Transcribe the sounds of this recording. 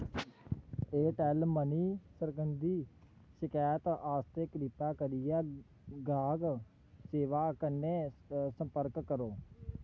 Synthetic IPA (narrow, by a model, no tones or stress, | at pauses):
eːʈɛːlməniːsəɾkənd̪iː | ʃɪkaːjət̪aːst̪eːkɾipaːkəɾɪjaː | ɡaːɡ | seːʋaːkəneːsəmpəɾkːəɾoː